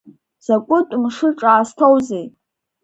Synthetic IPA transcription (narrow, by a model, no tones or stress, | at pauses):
z̥akʷʼʊtʼmʂɨʈ͡ʂʼaːstʰowzej